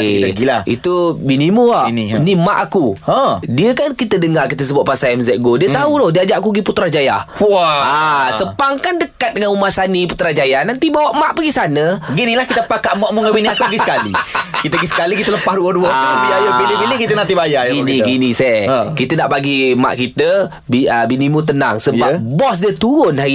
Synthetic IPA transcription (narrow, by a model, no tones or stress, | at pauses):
ɡiaḭt̪ubinimuannimaʔakuə̃diəkankit̪ədəŋarkit̪əs̬əbuaʔ̪̚pasaɛmzɛʔ̚ɡodiət̪audohdiəad͡ʒaʔakuɡiput̪ɾad͡ʒaja̰ | asəpaŋkandəkat̪̚dəŋanumahsaniput̪ɾad͡ʒajahnant̪ibawaʔmaʔbaɡisanəɡinilahkit̪əpakaʔmɔʔmuŋabiniakuɡisəkalḭkit̪əɡisə̥kalikit̪ələpahduəduabiajabilɪbilɪhkit̪ənant̪̬ibajaɡinĩɡinisɛkit̪ənaʔbaɡima̰ʔkit̪ə | biəbinimut̪̬əna̰ŋsəap̚bɔs̬diət̪uɾʊnɦa